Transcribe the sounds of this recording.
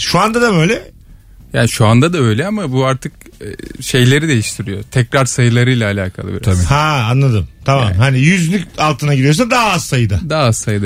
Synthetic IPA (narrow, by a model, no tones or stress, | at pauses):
ʃuand̪ad̪abø̞jlʲɛ | ja̰ːniʃuand̪ad̪aø̞jlʲɛamabuaɾt̪ʰɯk̚ | ɛʃe̞jlʲe̞ɾid̪e̞jiʃt̪ʰiɾijo̞̰t̪ʰɛcɾaɾsajɯlˠaɾɯjlʲˠaːlʲaːkʰa̰lˠɯbḭɾhaanlˠad̪ɯmt̪ʰamamhanijyzlʲycalˠt̪ʰɯnaɡɟiɾijos̬and̪aɦaːzsajɯd̪ɯd̪aːaazsajɯd̪a